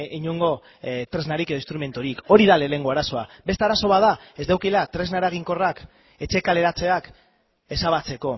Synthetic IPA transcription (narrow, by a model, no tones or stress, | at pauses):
iɲuŋɡo̞ | t̪ɾe̞znaɾike̞ð̞oinst̪ɾume̞nt̪oɾiko̞ɾiðale̞le̞ŋɡo̞aɾaso̞abet̪aɾaso̞βaðae̞zd̪awkilat̪ɾe̞znaɾaɣ̞iŋko̞rak | e̞t͡ʃe̞kale̞ɾat͡se̞ak | e̞saβ̞at͡se̞ko̞